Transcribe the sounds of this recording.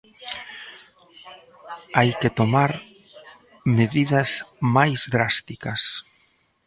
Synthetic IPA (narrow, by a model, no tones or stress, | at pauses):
ajket̪omaɾ | meðiðɐzmajzðɾast̪ikɐs